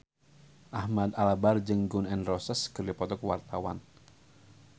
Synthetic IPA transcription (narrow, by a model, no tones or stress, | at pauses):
ʔahmad̪alabard͡ʒɨŋɡʊnɛnrɔsəskɨrdipɔt̪ɔkwart̪awa̰n